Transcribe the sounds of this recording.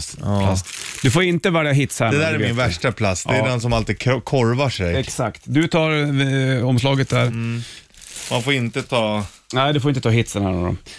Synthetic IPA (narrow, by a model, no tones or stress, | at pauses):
lasd̪ɵfoːɪnt̪əvɛljaɦɪt̪shædɛd̪æːɾɛɾmɪnvæʂʈapʰlasːd̪ɛːd̪ɛnsɔmalt̪iːd̪̚ʰkʰɔɾvaʂɛjɛksakt̪d̪ɵt̪ʰɑːɾ | ɔmslɑːɡət̪̚d̪æɾ | manfoːɾɪnt̪ət̪ʰɑː | næɪd̪ɵfoɾɪnt̪ət̪ʰɑːɦɪt̪sənhæːno̰ːɾɔ̰m